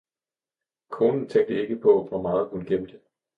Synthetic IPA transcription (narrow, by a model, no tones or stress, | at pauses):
kʰo̝ːnn̩t͡sʰeŋ̰ɡ̚d̥əe̝ɡ̥əpʰɒ̽ʋɒmɑ̈ːð̞̩ˠkʰunɡ̥emd̥e̝